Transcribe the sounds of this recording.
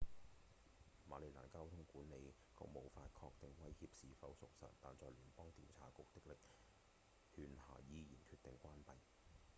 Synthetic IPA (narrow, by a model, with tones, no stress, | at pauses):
maː˨˥le˨˩la̰ː˨˩nkaː˥wt̪ʰʊ˥ŋkuː˨˥nne˨˧j | kʊ̰˧˥k̚mo˨˧wfaː˧t̚kʰɔː˧k̚t̪ɪ˨ŋwɐ˥jhiː˧p̚siː˨fɐ˨˧˥wsʊ˨k̚sɐ̰˨t̚t̪aː˨nt͡sɔː˧jlyː˨˩npɔː˥ŋt̪iː˨nt͡sʰaː˨˥kʊ˨k̚t̪ɪ˥k̚lɪ˨k̚ | hyː˨˧nha̰ː˨˩jiː˨˧jiː˨˩nkʰyː˧t̪̚ɪ˨ŋkʷwaː˥npɐ˨j